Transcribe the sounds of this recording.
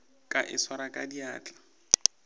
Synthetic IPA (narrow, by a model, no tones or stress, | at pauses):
kʼaʔɪswaɾakʼadiaːt͡ɬʼḁ